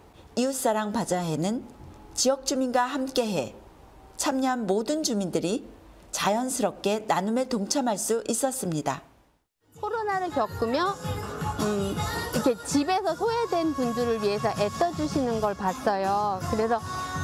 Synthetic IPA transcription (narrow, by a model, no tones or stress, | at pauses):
ius͈aɾaŋpad͡ʑaɦe̞nɯnt͡ɕiʌk̚t͡ɕ͈uminɡwaɦamk͈e̞ɦe̞ | t͡ɕʰamɲʌɦanmodɯnd͡ʑumindɯɾit͡ɕajʌnsʰɯɾʌp̚k͈e̞nanumeɭtoŋt͡ɕʰamɦaɭs͈uʔis͈ʌs͈ɯmɲida̰ | kʰoɾonaɾɯɭkjʌk͈umjʌ | ikʰe̞t͡ɕibe̞sʰʌsʰoedwe̞npunduɾɯɭɥiɦe̞s̬ʰʌʔet͈ʌd͡ʑuɕʰinɯnɡʌɭpas͈ʌjokɯɾe̞sʰʌ